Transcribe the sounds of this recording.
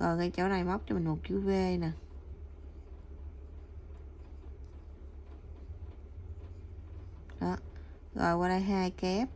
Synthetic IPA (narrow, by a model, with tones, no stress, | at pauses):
ɣɔ̰˨˩jkaː˧˦jt͡ɕo˨˦wna˨˩jma˦˥wk͡p̚t͡ɕɔ˧mi˨˩ŋmo˨˩t̚t͡ɕɨ˨˦ve˧naː˨˩ | ɗɔ˨˦ | ɣɔ̰˨˩jkwaː˧laː˧˦jɦaː˧jkɛ˦˥p̚